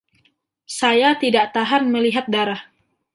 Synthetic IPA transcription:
sajat̪idaʔt̪aɦanməliɦat̪̚daɾah

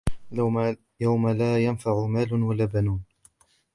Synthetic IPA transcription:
jawmalaːjanfaʕʊmaːlʊnwalaːbanuːn

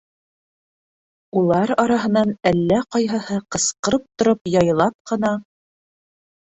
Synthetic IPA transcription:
ulˠɑɾɑɾɑɦɤ̆nɑnælːæqɑjɦɤ̆hɤqɤ̆sqɤ̆ɾɤp̚t̪ŏɾopjɑjlˠɑp̚qɤ̆nɑ

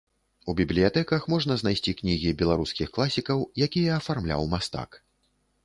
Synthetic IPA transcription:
ubʲiblʲijat̪ɛkɐxmɔʐnɐzn̪ajsʲt͡sʲiknʲiɣʲibʲɛlˠaɾuskʲixklˠasʲikɐwjakʲijɛːfarmlʲa̰wmast̪a̰k

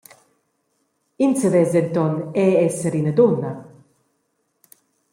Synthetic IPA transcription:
insəvɛzɛnt̪ɔnɛɛsəɾinəd̪onːa

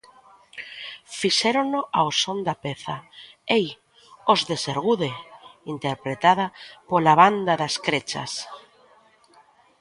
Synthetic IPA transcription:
fiʃeɾonoʔaosond̪apeθa | ej | ozðeseɾɣuðeint̪eɾpɾet̪að̞apolaβ̞and̪aðaskɾet͡ʃa̰s

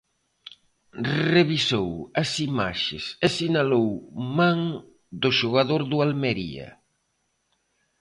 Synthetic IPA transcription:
reβisowɐsima̰ʃɪsesinalowmaŋ | d̪ʊʃoɣaðoɾðʊalmeɾḭɐ̰

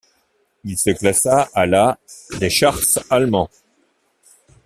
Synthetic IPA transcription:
ilsəklasaːlad̪eʃaʁsalmɑ̃

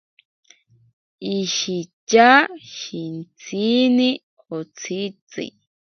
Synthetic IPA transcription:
iʃit͡ʃaʃint͡sʰini | hot͡sʰit͡sḭ

